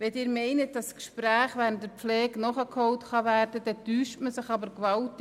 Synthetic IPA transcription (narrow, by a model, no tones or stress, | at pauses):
ʋɛdɪːɾmɛɪnət̚d̥ɑskʃpræːχʋæːɾənt̚əpflɛːɡnɔχəkʰhɔwtχɑʋæːrd̥əd̥ɛtyːʃtməsɪχɑbəɾkʋɑlt